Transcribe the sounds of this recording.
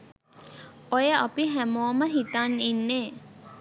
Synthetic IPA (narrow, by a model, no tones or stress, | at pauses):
ojəʔapiɦæmoːməɦit̪aninːeː